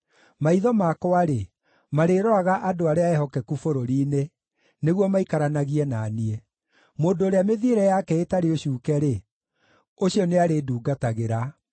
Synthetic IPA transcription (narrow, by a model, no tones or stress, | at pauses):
maiðɔmakɔaɾe | maɾeːɾɔaɣaʔadoaɾeaɛɦɔkɛkufoɾoɾiːne | neɣwɔmaikaɾanaɣiɛnaːniɛ | moːndoːɾeameðieɾɛjakɛetaɾeoɕuːkɛɾe | oɕiɔneaɾeduːɡataɣeɾa